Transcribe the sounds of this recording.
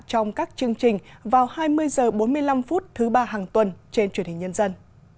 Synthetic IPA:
t͡ɕɔ˧wŋ͡mkaː˦˥k̚t͡ɕɨ˧əŋt͡ɕï˨˩ŋ̟vaː˨˩whaː˧jmɨ˧əjzəː˨˩ɓo˨˦nmɨ˧əjla˧mfu˦˥t̚t̪ʰɨ˨˦ɓaː˧ɦaː˨˩ŋt̪wə˨˩nt͡ɕe˧nt͡ɕwi˧ənhï˨˩ŋ̟ɲə˧nzə˧n

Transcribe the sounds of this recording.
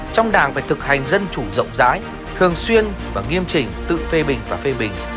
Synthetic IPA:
t͡ɕɔ˧wŋ͡mɗaː˨˩ŋfaː˧˩jt̪ʰɨ˨˩k̚ha˨˩jŋ̟zə˧nt͡ɕu˧˩zə̰˧˨wŋ͡mza̰ː˨˦j | t̪ʰɨ˨˩əŋswi˧ən | vaː˨˩ŋi˧əmt͡ɕï˨˩ŋ̟t̪ɨ̰˧˨fe˧ɓï˨˩ŋ̟vaː˨˩fe˧ɓï˨˩ŋ̟

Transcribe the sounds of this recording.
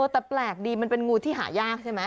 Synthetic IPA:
ɤː˧t̪ɛ˨˩plɛː˨˩k̚diː˧ma˧npe˧nŋuː˧t̪ʰiː˥˩ɦa̰ː˩˦jaː˥˩k̚t͡ɕʰa˥˩ma˦˥

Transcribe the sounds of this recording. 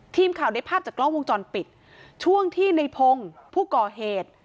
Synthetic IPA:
t̪ʰiː˧mkʰaː˨˩wda˧˥jpʰaː˥˩p̚t͡ɕaː˨˩klɔ˥˩ŋwo˧ŋt͡ɕɔː˧npi˨˩t̪̚ | t͡ɕʰu˥˩əŋt̪ʰiː˥˩na˧jpʰo˧ŋpʰuː˥˩kɔː˨˩ɦeː˨˩t̪̚

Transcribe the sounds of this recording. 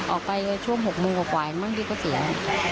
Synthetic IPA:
ʔɔː˨˩k̚pa˧jt͡ɕʰu˥˩əŋɦo˨˩k̚moː˧ŋkaː˨˩kwaː˨˩ja˨˩maː˥˩ŋdiː˧kɔː˧˩si˨˦a˧˨˩

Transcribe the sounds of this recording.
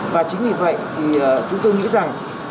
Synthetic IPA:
vaː˨˩t͡ɕï˨˦ŋ̟ɲi˧˩və̰˧˨jt̪ʰi˨˩˨t͡ɕʊ˨˦ŋ͡mt̪o˧jŋḭ˧˥za˨˩ŋ

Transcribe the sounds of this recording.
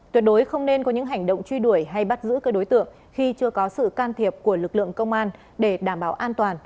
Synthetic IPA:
t̪wi˨˩ət̚ɗo˨˦jxə˧wŋ͡mne˧nkɔ˨˦ɲɨ̰˧˥ŋɦa˨˩jŋ̟ɗo̰˧˨wŋ͡mt͡ɕwi˧ɗu˧˩əjɦa˧jɓa˦˥t̚zɨ̰˧˥kəː˧˦ɗo˨˦jt̪ɨ̰˧˨əŋ | xi˧t͡ɕɨ˧əkɔ˨˦sɨ̰˧˨kaː˧nt̪ʰi˨˩əp̚ku˧˩əlɨ˨˩k̚lɨ̰˧˨əŋkə˧wŋ͡mʔaː˧n | ɗe˧˩ɗaː˧˩mɓaː˧˩wʔaː˧nt̪waː˨˩n

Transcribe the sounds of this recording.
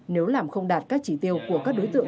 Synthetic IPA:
ne˨˦wlaː˨˩mxə˧wŋ͡mɗaː˨˩t̚kaː˦˥k̚t͡ɕi˧˩t̪i˧əwku˧˩əkaː˦˥k̚ɗo˨˦jt̪ɨ̰˧˨ə

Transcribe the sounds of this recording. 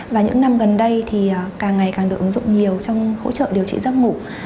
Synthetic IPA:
vaː˨˩ɲɨ̰˧˥ŋna˧mɣə˨˩nɗə˧jt̪ʰi˨˩ə˨˩kaː˨˩ŋːa˨˩jkaː˨˩ŋɗɨ˨˩ək̚ɨ˨˦ŋzʊ̰˧˨ŋ͡mɲi˨˩əwt͡ɕɔ˧wŋ͡mho̰˧˥t͡ɕə̰ː˧˨ɗi˨˩əwt͡ɕḭ˧˨zə˦˥t̚ŋṵ˧˩k͡p̚

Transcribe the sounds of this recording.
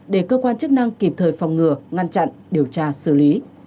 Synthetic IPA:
ɗe˧˩kəː˧kwaː˧nt͡ɕk̚na˧ŋki˨˩p̚t̪ʰəː˨˩jfa˨˩wŋ͡mŋɨ˨˩əŋa˧nt͡ɕa̰˧˨nɗi˨˩əwt͡ɕaː˧sɨ˧˩li˨˦

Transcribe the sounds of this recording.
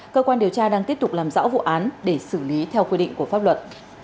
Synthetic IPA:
kəː˧kwaː˧nɗi˨˩əwt͡ɕaː˧ɗaː˧ŋt̪i˦˥əp̚tʊ˨˩k͡p̚laː˨˩mzɔ̰ː˧˥wvṵ˧˨ʔaː˨˦nɗe˧˩sɨ˧˩li˨˦t̪ʰɛ˧wkwi˧ɗḭ˧˨ŋku˧˩əfaː˦˥p̚lwə˨˩t̚

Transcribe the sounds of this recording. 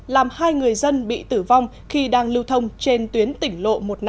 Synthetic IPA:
laː˨˩mhaː˧jŋɨ˨˩əjzə˧nɓḭ˧˨t̪ɨ˧˩va˧wŋ͡m | xi˧ɗaː˧ŋlɨ˧wt̪ʰə˧wŋ͡mt͡ɕe˧nt̪wi˨˦ənt̪ï˧˩ŋ̟lo̰˧˨mo˨˩t̚n

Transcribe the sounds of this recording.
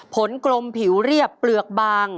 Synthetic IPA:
pʰo˩˦nklo˧mpʰi˩˦wɾi˥˩əpːlɯ˨˩ək̚baː˧ŋ

